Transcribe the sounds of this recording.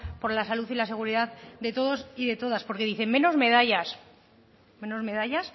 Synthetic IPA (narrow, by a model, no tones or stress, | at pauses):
po̞ɾlasaluθilase̞ɣ̞uɾiðaðd̪e̞t̪o̞ðo̞siðe̞t̪o̞ð̞aspo̞ɾke̞ðiθe̞ŋmẽ̞no̞zme̞ðaʎas | mẽ̞no̞zme̞ð̞aʎas